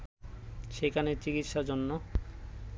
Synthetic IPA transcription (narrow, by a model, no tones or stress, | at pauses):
ʃekʰanet͡ɕikit̪ʃad͡ʑonːo